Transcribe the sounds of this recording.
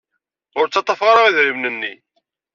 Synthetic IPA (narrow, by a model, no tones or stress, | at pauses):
ʊɾt͡sːɑt̪ˤːɑfʁɑɾˤɑʁiðɾimnənːḭ